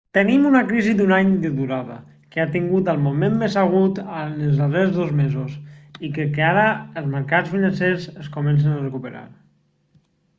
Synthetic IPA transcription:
t̪ənimunəkɾizid̪unaɲd̪əðuɾaðə̰ | kəat̪iŋɡut̪əlˠmumemːezəɣut̪ənəlˠzðərezðozmezosikəkaɾəəlˠzməɾkat͡sfinənseɾzəskumɛns̬ənarəkupəɾa̰ɾ

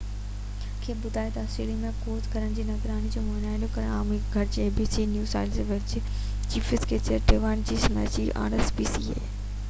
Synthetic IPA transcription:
kʰeːbʊd̪ʱaːet̪ɐɔsɾeːlimẽkoːzkɐɾəɽ̃d͡ʑiːnɐɡɾaːnid͡ʑoːmɐːnaːɪnokɐɾəɽ̃aːmeɡʱɐɾd͡ʑeeːbiːsiːnjuːsa̰ːɪlsʋɪt͡ɕ | t͡ɕiːfɪskeːt͡ɕəɾʈeːʋaːɪnd͡ʑiːsɐna̰ːɪsiʔa̰ːɾesbiːsiːḛː

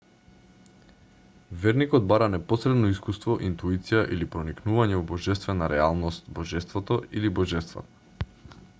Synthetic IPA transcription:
vɛɾnikɔd̪̚baɾanɛpɔsɾɛd̪nɔiskust̪vɔʔint̪uit̪sijaʔilipɾɔniknuvaɲɛvɔbɔʒɛst̪vɛnaɾɛalˠnɔst̪bɔʒɛst̪vɔt̪ɔilibɔʒɛst̪va̰t̪ḁ

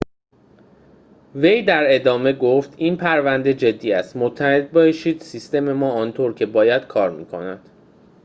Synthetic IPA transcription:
ve̞jd̪æɾe̞d̪ɒːme̞ɡoft̪ʰiːnpʰæɾvænd̪e̞d͡ʒe̞d̪ːiːæst̪mot̪ʰːæhe̞d̪̚bɒːʃiːd̪̥sist̪e̞me̞mɒːɒːnt̪ʰoɾcʰe̞bɒːjæd̪̥kʰɒːɾmḭːkʰo̞̰næd̪̥

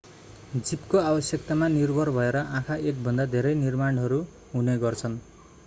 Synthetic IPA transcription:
d͡zipkoabʌsjʌkt̪amanirbʱʌrbʱʌeɾʌʔãkʰaek̚bʱʌnd̪ad̪ʱeɾʌjnirmaɳɦʌɾu | ɦuneɡʌrt͡sʰʌn

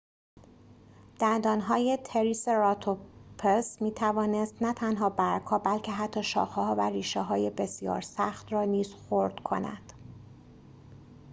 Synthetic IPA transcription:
d̪̥ænd̪ɒːnɦɒːje̞t̪ʰe̞ɾiːseɾɒt̪ʰopʰesmiːt̪ʰævɒːnest̪næt̪ʰænɦɒːbæɾkʰɒːbælcʰe̞ɦæt̪ʰːɒːʃɒ̰ːxeɦɒːværiːʃeɦɒːje̞be̞sjɒ̰ːɾsæxt̪rɒːniːz̥xoɾd̪̥kʰo̞̰næ̰d̪̥

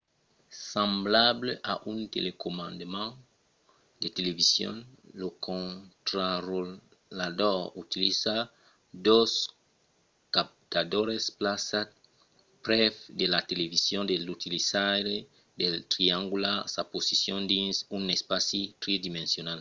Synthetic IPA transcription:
sãmblableʔa̰ʔunt̪ḛlekomãnd̪emãŋ | d̪et̪elevisjõ̰nlokʰõnt̪ɾaro | ladoɾut̪ilisa | d̪os | kap̚t̪ad̪oɾesplasa | pɾɛfd̪elat̪elevisjõnd̪elut̪ilisaɾe | d̪elt̪ɾiãŋɡulasaposisjõnd̪insunespasit̪ɾed̪imẽnsjonal

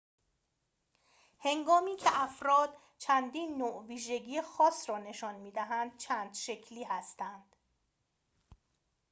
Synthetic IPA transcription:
he̞ŋɡɒːmiːcʰe̞ʔæfɾɒːd̪̥̚ | t͡ʃʰænd̪iːnːoːʔviːʒe̞ɟiːjexɒːsrɒːne̞ʃɒːnmiːd̪æɦænd̪̥̚t͡ʃʰæːnd̪ʃe̞cʰliːhæst̪ænd̪̥

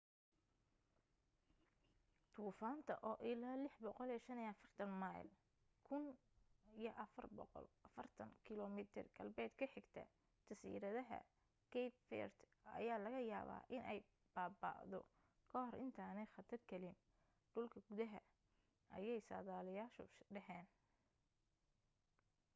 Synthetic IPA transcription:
t̪ʰuːfaːnt̪ʰɐʔɔːʔɪlaːlɪħbɔqɔlɛʃɐniɐfɐrt̪ʰɐnmaj̰l | kʰʊn | ijɔʔɐfɐrbɔ̰qɔ̰lʔɐfɐrt̪ʰɐŋkʰɪlɔmɪt̪ʰɪ̰rɡɐlbɛːd̪kʰɐħɪɡt̪ʰɐ̰ | t̪ʰɐsḭːɾɐðɐɦɐ̰ | kʰɛjpfɛ̰rt̪ | ɐ̰jaːlɐɣɐja̰ːβa̰ːʔɪnɛj | b̥aːba̰ːʔðɔ̰ | kʰɐɦɔrʔɪ̰nt̪ʰaːnɛjχɐt̪ʰɐrkʰɐlɪn | ɖʊlkʰɐɡʊðɐɦɐ | ʔɐ̰jɛjsa̰ːðaːlɪjaːʃɔ̰ɖɐħɛːn

